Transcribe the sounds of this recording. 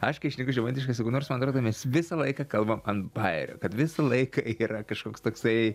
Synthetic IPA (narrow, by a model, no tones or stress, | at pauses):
ɐʃkɐɪʃnʲikʲʊʒʲɛmɐnʲt̪ʲɪʃkɐsjɛɡʊnoːrsmɐnɐt̪ɾoːd̪mʲɛsʋʲɪsɐlˠɐɪkɐkɐlˠbɐmɐnt̪bɐɪɾʲo̰ːkɐt̪ʋʲɪsɐlˠɐɪkɐiːɾɐkɐʃkoːkst̪oːksɐɪ